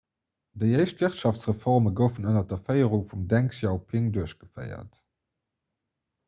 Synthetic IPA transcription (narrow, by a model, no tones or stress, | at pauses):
dəɪəɪʃtv̥iχtʃɑftt͡sʁəfɔʁməɡəʊfənənɐdɐfəɪəʁuŋfumdæŋksjɑʊpʰiŋduəɕɡ̥əfə̰ɪɐ̰t